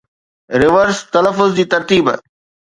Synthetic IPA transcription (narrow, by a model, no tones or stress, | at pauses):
ɾɪʋəɾst̪ɐləfːʊzd͡ʑiːt̪ɐɾt̪iːb